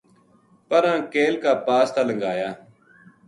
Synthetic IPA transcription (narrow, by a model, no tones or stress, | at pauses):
pəɾãːkeːlkaːpaːst̪aːləŋɡaːjaː